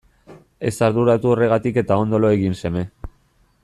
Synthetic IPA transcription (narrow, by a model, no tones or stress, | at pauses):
e̞saɾðuɾat̪uo̞re̞ɣ̞at̪ike̞t̪ao̞nd̪o̞loe̞ɣinse̞me̞